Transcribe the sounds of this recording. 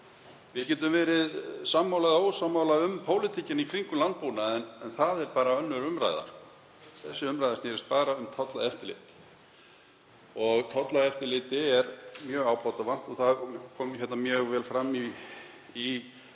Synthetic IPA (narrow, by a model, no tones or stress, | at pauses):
vɪcɛːt̪ʏmvɛːɾɪðsamːawlɛɣðaowsamːaːwlaʏmpʰoːwlɪt̪ʰicɪnikʰɾiŋkʏlant̪̚puːnaɛnɛnθaðɛɾpaːɾaœnːʏɾʏmɾa̰jða̰ɾ | θɛsːɪʏmɾajðaɾsnɛːɾɪst̪̚paːɾaʏmt̪ʰɔt̪laðɛft̪ɪɾlɪ̰ːt̪ | ɔɣt̪ʰɔt̪laðɛft̪ɪlɪːt̪ɪɛɾmjœːɣaːwpawt̪avan̥t̪ɔθaðkʰɔːmçɛt̪namjœːɣvɛːlfɾamːi